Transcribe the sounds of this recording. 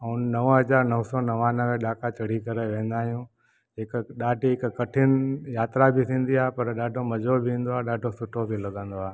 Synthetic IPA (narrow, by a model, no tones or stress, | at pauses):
əunnɐʋɦɐzaːɾnɐʋsɔːnɐʋãːnəʋẽɗaːkat͡ɕɐɽ̤ikɐɾeʋẽːn̆d̪aːɦijũ | ɦɪkɗaːɖiɦɪkkɐʈʰɪnɪjaːt̪ɾabʱɪt̪ʰĩːn̆d̪iaːɦpɐɾɗaːɖʱomɐd͡ʒobʱɪĩːn̆d̪oaːɗaːɖʱosʊʈʰobʱilɐɠə̃nd̪oaː